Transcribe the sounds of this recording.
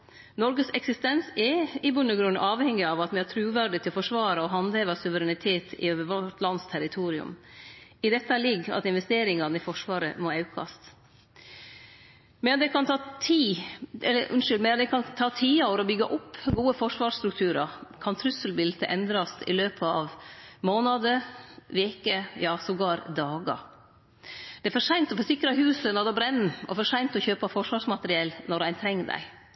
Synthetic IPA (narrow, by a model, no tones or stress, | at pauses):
nɔɾɡəsɛksɪst̪ɛnsɛɪbʉnːəɡɾʉnʔɑːʋhɛŋːɪɑʋɑt̪ʋɛɑʈ̪ʰɾʉːʋæɖɪt̪ʰɪlfɔʂʋɑːɾɑɔɦɑnd̪heːʋəsʉʋəɾɛnɪt̪ʰeːt̪ʰɪ̰øːʋəʋɔʈlɑnːst̪ʰæɾɪt̪ʰuːɾɪʉ̰m | ɪd̪ɛt̪ːəlɪɡːɑ̰t̪ɪnʋɛst̪eːɾɪŋɑnɪfɔʂʋɑːɾə̰mɔɑʉkʰɑ̰st̪ | mɛnd̪ɛkʰɑnt̪ʰɑːt̪ʰiːɛ̰lːəʔʉ̰nʂʏlmɛɑd̪ɛkʰɑnt̪ʰɑːt̪ʰiːɑoɾɔbʏɡɑʔʊpːɡuːəfɔʂʋɑːʂst̪ɾʉk̚t̪ʰʉːɾɑkʰɑnt̪ʰɾʉsːəlbɪlt̪əʔɛnd̪ɾɑst̪ɪ̰løːpʰəɑʋmoːnɑd̪əʋeːkəjɑːsɔɡɑːɾd̪ɑːɡɑ̰ | d̪̥ɛɛfɔʂæɪnt̪ɔfɔsɪkɾɑɦʉːsənɔd̪ɛɑbɾɛnːɔ̰fɔʂæɪnt̪ɔçøːpɑfɔʂʋɑːʂmɑt̪əɾɪɛlnɔɾæɪnt̪ʰɾɛŋːɖæ̰ɪ